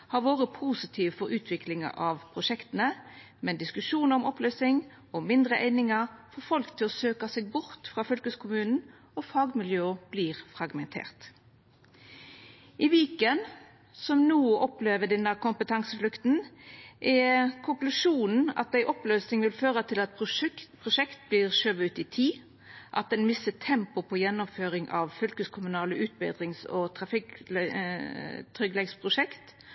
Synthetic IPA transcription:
hɑɾʋoːʁəpʰuːsɪt̪ʰiːʋfɔɾʉːt̪ʰʋɪklɪŋɑ̰ʔɑʋpʰʁʊʂɛkt̪ənə | mɛnd̪ɪskʉʂuːnəɔmɔpløːsɪŋ | ɔmɪnd̪ʁəʔæɪnɪŋɑfɔfɔlkt̪ʰɪlɔsøːkɑsɛɡ̚bʊʁt̪fʁɑːfʏlkəskʰʊmʉːnn̩ | ɔfɑːɡmɪljøːb̥liːʁfɾɑɡmɛnt̪ʰḛːʁt̪ | ʔɪʋiːkən | sɔmnuːʔɔpleːʋəd̪ɛnːəkʊmpət̪ʰɑŋsəflʉkt̪nʔɛkʰʊŋklʉʂuːnn̩ɑ̰t̪̚æɪʔɔpløːsnɪŋʋɪlføːʁət̪ʰɪlɑt̪pʰʁʊʂɛkt̪̚bliːʁʃøːʋəʉːt̪ɪt̪ʰiː | ʔɑ̰t̪̚d̪ɛnmɪsət̪ʰɛmpʊpʰɔjɛnːɔmføːʁɪŋʔɑʋfʏlkəskʰʊmʉnɑːləʔʉːt̪̚bɛ̰ːd̪ʁɪŋsɔt̪ʰʁɑfɪk̪ | t̪ʰʁʏɡlɛɡspʰʁʊʂɛkt̪

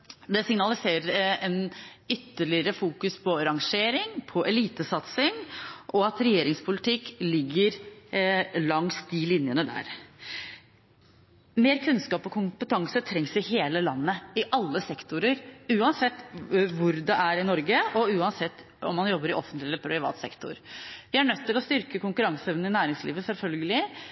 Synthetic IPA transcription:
d̪ɛsɪŋnɑlɪseːɾəɾɛnʏt̪ːəɭɪəɾəfuːkʉspʰɔɾɑŋʂeːɾɪŋpʰɔʔɛliːt̪əsɑt̪sɪŋʔɔɑt̪ɾɛjeːɾɪŋspʰʊlɪt̪ʰɪkːlɪɡːəɾ | lɑŋsd̪ilɪnjənəd̪æ̰ːɾ | meːɾkʰʉnskɑːpɔkʰʊmpət̪ʰɑŋsət̪ʰɾɛŋsɪheːləlɑnːəɪʔɑlːəsɛkt̪ʊɾəɾʉːɑnsɛt̪ːʋʊɾd̪ɛʔæɾɪnɔɾɡəɔʉːɑnsɛt̪ː | ɔ̰mːɑnjɔbːəɾɪʔɔfːənt̪lɪɛlːəɾpʰɾɪʋɑ̰ːt̪sɛ̰kt̪ʊ̰ɾʋɪæɳœt̪ːɪlɔst̪ʏɾkəkʊŋkʉɾɑŋsɛʋnn̩ɪnæːɾɪŋslḭːʋəsɛlfœlɡəlɪ

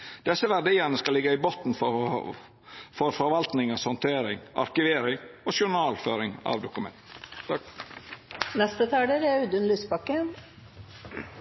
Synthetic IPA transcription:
d̪̥ɛsːəʋæɖiːənəskɑlɪɡəɪbot̪n̩fɔ | fɔɾfɔɾʋɑlt̪nɪŋəsɔnt̪ʰeːɾɪŋʔɑ̰ɾkɪʋeːɾɪŋoːʃʊɳɑːlføːɾɪŋɑ̰ʋd̪ʊkʉmɛ̰nt̪ | nɛst̪ət̪ʰɑːɖ̪əɾæʉːd̪ʉnlyːspɑkːə

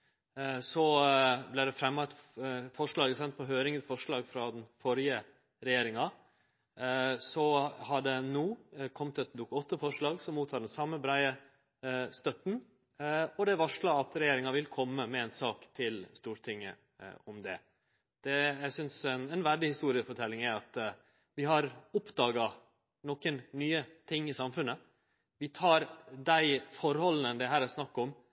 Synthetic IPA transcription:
sɔblæɪɖɛfɾɛmːɑt̪fɔʂɭɑːɡəsɛnt̪̚pʰɔɦøːɾɪŋənfɔʂɭɑːɡfɾɑd̪ɛnfɔɾjə | ɾɛjeːɾɪŋɑ | sɔhɑɖɛnuːkʰɔmt̪ɛt̪̚d̪ʊkːɔt̪ːəfɔʂɭɑːɡsɔmːuːt̪ʰɑːɖɛnsɑmːəbɾæɪə | st̪œt̪n̩ | ɔd̪ɛʋɑʂɭɑɑt̪ɾɛjeːɾɪŋɑʋɪlkʰɔmːəmɛɛnsɑːkt̪ʰɪlst̪uːɾʈʰɪŋːə̰ | ɔmd̪ɛ̰ | d̪̥ɛjæɪsʏnsɛnɛnʋæɖɪhɪst̪uːɾɪəfɔʈʰɛlːɪŋæɾɑt̪ | ʋɪɦɑɾʊpd̪ɑːɡɑ | nɔkənnyːət̪ʰɪŋːɪsɑmfʉnə | ʋɪt̪ʰɑːɾd̪æɪfɔɾhɔlənənd̪ɛɦæːɾæsnɑkːɔm

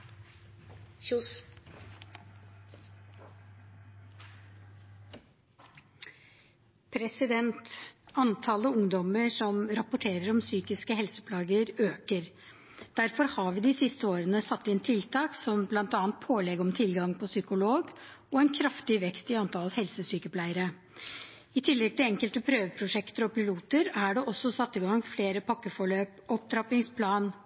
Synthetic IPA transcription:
pʰɾɛsɪd̪ɛnt̪ɑnt̪ʰɑləʊŋd̪ɔməʂɔmɾɑpʊʈʰeːɾəɾɔmsyːkɪskəɦɛlsə̥pʰlɑːɡəɾøːkəɾ | d̪̥æɾfɔɾhɑɾʋɪd̪ɪsɪst̪əoːɾənəsɑt̪ːɪnt̪ʰɪlt̪ʰɑːksɔmblɑnt̪ɑːnt̪̚pʰoːlɛɡɔmt̪ʰɪlɡɑŋpʰɔsʏkʊloːɡɔɛnkʰɾɑft̪ɪʋɛkst̪ɪɑnt̪ʰɑləhɛlsəsyːkəpʰlæɪəɾə | ɪt̪ʰɪlːɛɡ̚t̪ʰɪlɛŋkəlt̪əpʰɾøːʋəpʰɾʊʂɛkt̪əɾɔpɪluːt̪əɾæɖɛʔɔsːɔsɑt̪ːɪɡɑŋfleːɾəpʰɑkːəfɔɭøːpɔp̚d̪ɾɑpɪŋspʰlɑːn

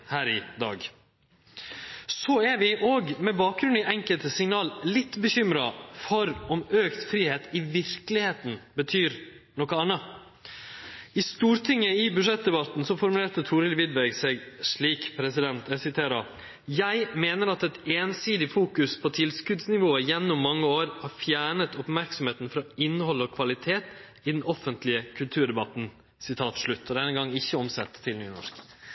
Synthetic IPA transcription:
hæːɾɪd̪ɑ̰ːɡ | sɔæɾʋɪʔoːɡmɛbɑːk̚ɡɾʉnɪʔɛŋkəlt̪əsɪŋnɑːllɪt̪ːbəçʏmɾɑfɔɾɔmøːkt̪fɾiːheːt̪ɪʋɪɾklɪheːt̪n̩bət̪ʰyːɾ | nɔkəɑnːɑ | ɪst̪uːɾt̪ʰɪŋːəɪbʉʂɛt̪̚d̪ɛbɑt̪n̩sɔfɔɾmʉleːt̪ət̪ʰuːɾɪlʋɪd̪ʋæɡsɛːɡʂɭiːkpʰɾɛsɪd̪ɛnt̪ɛsɪt̪ʰeːɾɑ | jæɪmeːnəɾɑt̪ɛt̪eːnsiːd̪ɪfuːkʉspʰɔt̪ʰɪlskʉd̪snɪʋoːəjɛnːʊmːɑŋːəoːɾhɑɾfjæːɳət̪ɔpmæɾksɔmheːt̪n̩fɾɑːɪnːəhɔlːɔkʰʋɑlɪt̪ʰeːt̪ | ɪd̪ɛnʔɔfənt̪lɪəkʰʉlt̪ʰʉːɾɖɛbɑt̪n | sɪt̪ʰɑːt̪ʂɭʉt̪ːɔd̪ɛnːəɡɑŋːɪçːəɔmsɛ̰t̪ʰːɪlnyːnɔ̰ʂk

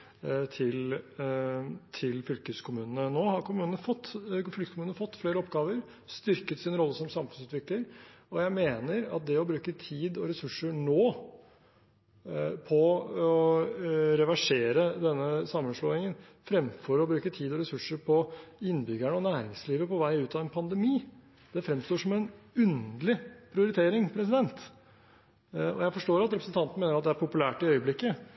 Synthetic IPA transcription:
t̪ʰɪl | t̪ʰɪlfʏlkəskʰʊmʉːnənənoːhɑɾkʰʊmʉːnənəfɔt̪ːfʏlkəskʰʊmʉːnnəfɔt̪ːfleːɾəɔpɡɑːʋəɾ | st̪ʏɾkət̪sɪnəɾɔlːəsɔmsɑmfʉnsʉːt̪ʋɪkləɾɔjæɪmeːnəɾɑ̰t̪̚d̪ɛɔbɾʉːkət̪ʰiːd̪ɔɾɛsʉʂːəɳoː | pʰɔɔ | ɾɛʋæʂeːɾəd̪ɛnːəsɑmːənʂloːɪŋən | fɾɛmfɔɾɔbɾʉːkət̪ʰiːd̪ɔɾɛsʉʂːəɾpʰɔɪnːbʏɡæɳəɔnæːɾɪŋsliːʋəpɔʋæɪʉːt̪ɑʋɛnpʰɑnd̪ɛmiː | d̪̥ɛfɾɛmst̪oːʂɔmɛnʉnd̪lɪpʰɾɪʊɾɪt̪ʰeːɾɪŋpʰɾɛsɪd̪ɛnt̪ | ɔ̰jæɪfɔʂʈoːɾɑt̪ɾɛpɾəsn̩t̪ɑnt̪n̩meːnəɾɑt̪̚d̪ɛæɾpʰʊpʉlæːʈɪœʏəblɪkːə

